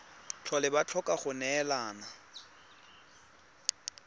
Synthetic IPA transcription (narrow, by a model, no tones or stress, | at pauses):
t͡ɬʰɔlɪbat͡ɬʰɔkʼaχʊnɛlaːna